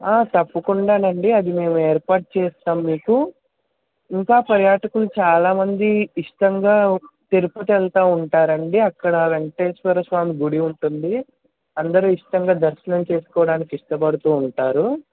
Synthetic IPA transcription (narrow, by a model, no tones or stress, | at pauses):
aːt̪ɐpːɐkuɳɖaːnɐɳɖiɐd̪ime̞ːmueːɾpaːɾʈ̚t͡ʃeːst̪aːmmːiːku | iŋkaːpɐɾjaːʈɐkulut͡ʃaːlaːmɐnd̪iːʂʈɐŋɡaːt̪eɾuput̪ɛlt̪aːuɳʈaːɾɐɳɖiɐkːɐɽɐʋeɳʈeːsʋɐɾɐʃʋaːmiɡuɽiuɳʈund̪i | ɐnd̪ɐɾuːiʂʈɐŋɡaːd̪ɐɾʃɐnɐmt͡ʃe̞ːsu̥kɔːʋɐɽaːnikiʂʈɐpɐɽut̪uːɳʈaːɾu